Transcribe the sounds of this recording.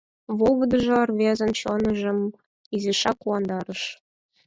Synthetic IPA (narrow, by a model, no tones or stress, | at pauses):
volˠvɤ̆d̪ɤ̆ʒɤrvʲezʲɘ̆nɕonɤ̆ʒɤ̆m | iziʂɑkuwɑnd̪ɑɾɤ̆ʃ